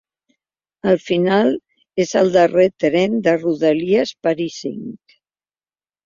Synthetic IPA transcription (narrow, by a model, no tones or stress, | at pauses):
əlˠfinal | ezəlˠd̪əret̪ɾɛnd̪əruðəliəspəɾisḭŋk